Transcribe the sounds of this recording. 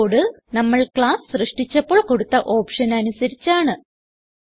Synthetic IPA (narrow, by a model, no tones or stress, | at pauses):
ɽɨ | nɐmːɐɭkɭaːsɨ̥srɨʂʈit͡ɕːɐpːo̞ːɭko̞ɽut̪ːɐʔo̞ːpʂɐnɐnusɐɾit͡ɕːaːɳɨ